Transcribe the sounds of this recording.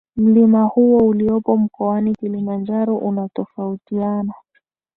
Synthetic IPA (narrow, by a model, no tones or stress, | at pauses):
m̩limahuɔuliɔpɔm̩kɔanikilimand͡ʒaɾɔʔunatɔfautiana